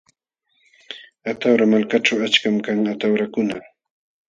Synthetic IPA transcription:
at̪awɾamalkat͡ʃawat͡ʃkamkaŋat̪awɾakʊna

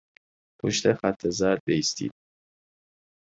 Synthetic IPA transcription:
pʰoʃt̪ʰexæt̪ʰːezæɾd̪̚beist̪ḭːd̪̥̚

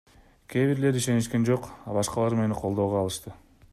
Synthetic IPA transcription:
kʲʰeβiɾle̞ɾiʃe̞niʃke̞nd͡ʒo̞qɑbɑʃqɑlˠɑɾme̞niqʰo̞lˠd̪oʁoɑlˠɯʃt̪ɯ

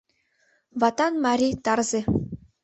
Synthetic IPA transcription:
vɑt̪ɑnmɑɾʲit̪ɑrze

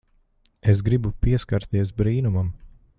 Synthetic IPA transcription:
es̬ɡɾibupiɛskaɾt̪iɛsbɾiːnumam

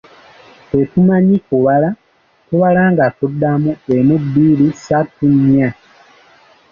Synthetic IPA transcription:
etumaɲikuβala | tuβalaːŋɡatudːamuemubːiːlisatuɲa

